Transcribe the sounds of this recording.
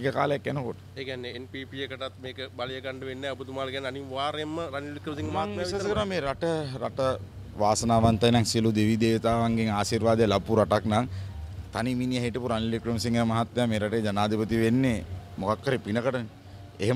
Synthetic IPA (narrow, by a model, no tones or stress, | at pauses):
ikəka̰ːləjakjanəkoʈə̥eːkɛnːeenpiːpiekɐʈat̪meːkəbalijəkaɳɖəʋenːɛɐbut̪umaːlkɛnːaniʋaːɾemːəɾanlikɾəmsiŋɡmaŋiisaskəɾameːɾaʈəɾaʈə | ʋaːsənaːʋant̪ɐjnaŋsiəlud̪eʋid̪eːʋt̪aːʋaŋɡeŋaːsiɾʋaːd̪ejəlapuɾaʈaknaŋt̪animinijəɦiʈipuɾanlikrəmsiŋɡeəmaɦat̪ʋejameːɾaʈəjd͡ʒanaːd̪ipət̪iʋenːemokakːaɾipinəkəʈəne | eɦem